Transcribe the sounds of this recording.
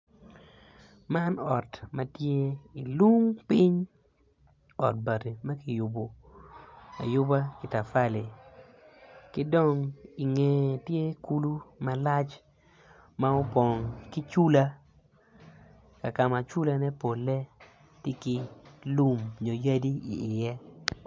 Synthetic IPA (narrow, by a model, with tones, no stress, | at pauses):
ma˦nɔ˨tma˨tje˦i˨lu˦ŋpi˦ɲ | ɔ̰˨t̚ba˨te˨ma˦ki˨jʊ˨bo˨ | a̰˨jʊ˦ba˦ki˨ta˨fa˦˨le˨ | kɪ˦dɔ˦˨ŋi˨ŋe˨tje˦ku˦lu˦ma˦la˦t͡ʃ | ma˦o˦pɔ˨ŋki˦t͡ʃu˦la˦ | ka˨ka˨ma˨t͡ʃu˦la˦nɛ˦po˨lːɛ˦ | tɪ˦ki˦lu˦˨mɲo˨ja˦di˦ḭ˨ɪ˨jɛ˦